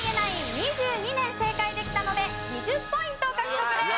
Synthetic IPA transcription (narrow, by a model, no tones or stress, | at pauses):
ɡe̞naiɲiʑɨːɲ̟inẽ̞ɰ̃se̞ːkaid̪e̞kʲi̥t̪anome̞ | ɲiʑɨpːo̞ĩnt̪oːkakiokɯɾe